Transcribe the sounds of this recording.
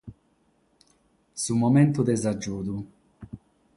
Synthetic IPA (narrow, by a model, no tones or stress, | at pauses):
sumɔmɛnt̪ud̪ɛzad͡ʒːuːd̪u